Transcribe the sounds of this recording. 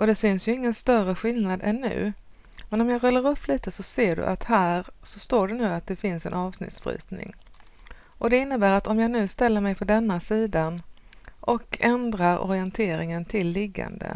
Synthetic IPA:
ʔɔd̪ɛsʏnsjɵɪŋːənst̪œrəɧɪlnad̪ɛnːʉ̟̰ː | mɛnɔmjaɾœlːəɾɵpʰːliːt̪əsɔseːɖɵ̰ʔat̪hæːɾsɔst̪oːɖɛnʉ̟ːat̪̚d̪ɛfɪnsɛ̰nʔɑːvsnɪ̰t̪sfɾḭːt̪nɪ̰ŋ | ʔɔd̪ɛɪnːəbæːɾat̪ɔmjaːnʉ̟ːst̪ɛlːəɾmɛjpʰɔd̪ɛnːasiːd̪anʔɔkʰɛnd̪ɾaɾʔɔ̰ɾɪɛnt̪ʰeːɾɪŋənt̪ʰɪlːɪɡːa̰nd̪ə̰

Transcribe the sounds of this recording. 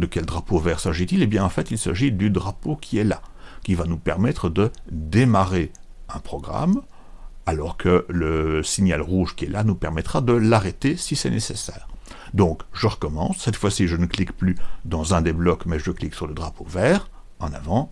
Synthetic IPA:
d̪əkʲɛld̪ʁapovɛːʁsaʒit̪ilebjɛ̃ɑ̃fɛt̪ilsa̰ʒid̪yd̪ʁapokʲʰiɛlakʲivanupɛ̰ʁmɛt̪χəd̪əd̪emaʁeɛ̃pχɔɡʁa̰m | alɔʁkʰələsinjalʁuʒkʲiɛlʔanupɛʁmɛt̪χad̪əlaʁet̪esisɛnesesɛ̰ːʁ | d̪ɔ̃ːkʒəʁəkɔmɑ̰̃sːɛt̪fwasiʒənəklikplyd̪ɑ̃zɛ̃d̪eblɔkmɛʒəkliksyʁləd̪ʁapovɛːʁ | ɑ̃na̰vɑ̃

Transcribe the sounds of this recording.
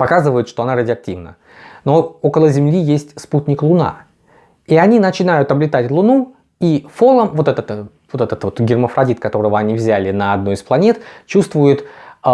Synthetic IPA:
pɐkazɨvəjʊt̪ʂt̪o̞ɐnaɾədʲɪɐk̚tʲivnə̰ | no̞o̞kəlˠəzʲɪmlʲijesʲtʲsputʲnʲɪklˠʊna̰ | iɐnʲinət͡ɕɪnajʊt̪ɐblʲɪt̪atʲlˠʊnu | ifo̞lˠəmvo̞t̪ɛt̪ət̪ | vot̪ɛt̪ət̪vo̞t̪ɡʲɪrməfɾɐdʲit̪kɐt̪o̞ɾəvəɐnʲivzʲælʲɪnəɐd̪no̞jɪsplˠɐnʲe̞t̪t͡ɕust̪vʊjʊt̪

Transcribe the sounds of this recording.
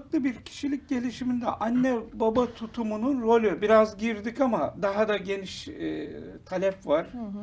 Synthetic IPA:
klˠɯbiɾcʰi̥ʃilʲic̚ɟe̞lʲiʃimind̪ɛ̰ʔanːɛbabat̪ʰut̪ʰumununɾo̞lʲybiɾazɟiɾd̪ikamad̪aɦad̪aɟe̞niʃ | t̪ʰalʲɛpvaɾ̥

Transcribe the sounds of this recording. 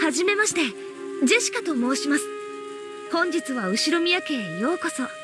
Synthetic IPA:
haʑime̞maɕi̥t̪e̞ | ze̞ɕi̥kat̪o̞mo̞ːɕimasɨ̥ | hõ̞ɲ̟d͡ʑit͡sɨβaɯ̟ɕiɾomʲijake̞ːjo̞ːko̞so

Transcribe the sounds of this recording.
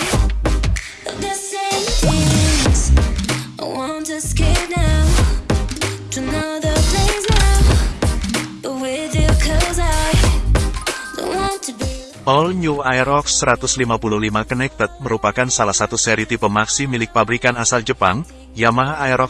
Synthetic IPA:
ʌðəsẽɪmθɪz̥ | awɑ̃ntɨskɛdan | tʰɨnoʊðəpʰlẽza | b̥ət̚wɪðjɨkʰʌzaɪ | do̰wɑ̃ntʰɨb | pɔlɲuajɾɔksəɾat̪ʊslimapuluhlimakənɛk̚t̪ət̪̚məɾupakansalahsat̪usɛɾit̪ipəmaksimilɪk̚fabəɾikanasald͡ʒəpaŋ | jamaɦajɾɔk̚

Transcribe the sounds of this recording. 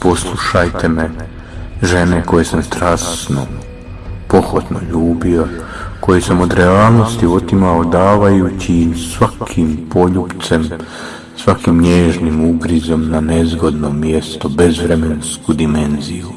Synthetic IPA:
po̞slˠuʃajt̪ʰe̞me | ʒe̞neko̞je̞samst̪ɾaːsno̰ | po̞xot̪noʎuːbio | ko̞jesamo̞d̪ɾeaːlˠno̞st̪io̞t̪imaod̪aːʋajut͡ɕimsʋakʰimpo̞ʎupt̪sem | sʋakimɲeːʒnimubɾizo̞mnane̞zɡo̞d̪nomje̞st̪o̞be̞zʋɾemenskud̪ime̞nziju

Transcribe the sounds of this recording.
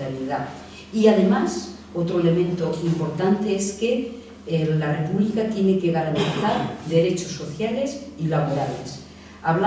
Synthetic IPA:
aɾjeða | iaðe̞mas | o̞t̪ɾo̞e̞le̞mẽ̞nt̪o̞impo̞ɾt̪ant̪e̞eske̞ | lare̞puβlikat̪je̞ne̞ke̞ɣaɾant̪iθaɾd̪e̞ɾe̞t͡ʃo̞sːo̞θjale̞silaβoɾale̞̰s | aβla

